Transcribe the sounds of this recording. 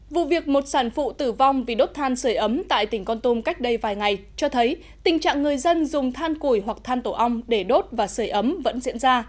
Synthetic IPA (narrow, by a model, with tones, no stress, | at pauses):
vṵ˧˨vi˨˩ək̚mo˨˩t̚saː˧˩nfṵ˧˨t̪ɨ˧˩va˧wŋ͡mvi˨˩ɗo˦˥t̚t̪ʰaː˧nsəː˧˩jʔə˨˦mt̪a̰ː˧˨jt̪ï˧˩ŋ̟kɔ˧nt̪o˧mka˦˥jk̟̚ɗə˧jvaː˨˩jŋa˨˩jt͡ɕɔ˧t̪ʰə˨˦j | t̪ï˨˩ŋ̟t͡ɕa̰ː˧˨ŋːɨ˨˩əjzə˧nzʊ˨˩ŋ͡mt̪ʰaː˧nku˧˩jɦwa˨˩k̚t̪ʰaː˧nt̪o˧˩ʔa˧wŋ͡mɗe˧˩ɗo˦˥t̚vaː˨˩səː˧˩jʔə˨˦mvə̰˧˥nzḭ˧˥ənzaː˧